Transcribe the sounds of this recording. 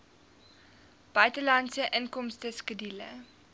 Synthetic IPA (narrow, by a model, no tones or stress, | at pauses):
b̥œɥtəlɐnsəʔənkɔmstəskədilə̰